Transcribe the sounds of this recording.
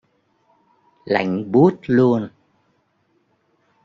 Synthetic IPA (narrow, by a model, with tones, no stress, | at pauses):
la̰˧˨jŋ̟ɓu˦ət̚lu˧ən